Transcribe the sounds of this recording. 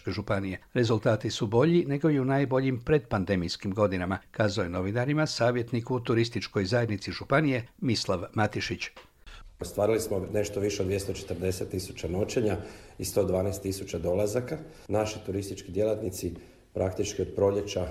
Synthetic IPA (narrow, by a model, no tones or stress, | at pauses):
keʒupanije̞ɾe̞zult̪aːt̪isubo̞ʎine̞ɡo̞jiunaːjbo̞ʎimpɾe̞d̪pand̪e̞mijskimɡo̞d̪inamakaːzaojeno̞ʋinaɾimasaːʋje̞t̪nikut̪uɾist̪it͡ʃko̞jzaje̞d̪nit̪siʒupanije̞mislˠaʋmat̪iʃit͡ɕ | ost̪ʋaːɾilismone̞ʃt̪oʋiʃeod̪ʋjest̪ot͡ʃe̥t̪əɾd̪e̞set̪ːisu̥t͡ɕano̞t͡ɕe̞ɲaist̪o̞d̪ʋaːnast̪ːisut͡ɕad̪o̞lˠazaka | naʃit̪uɾist̪it͡ʃkid̪jelˠat̪nit̪si | pɾʔakt̪it͡ʃkio̞d̪̚pɾo̞ʎe̞t͡ʃa